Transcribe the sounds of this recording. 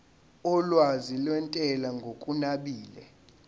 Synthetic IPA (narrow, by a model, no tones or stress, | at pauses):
ɔlwazilwɛntʼɛlaŋɡʱokʼunaɓiːlɛ̰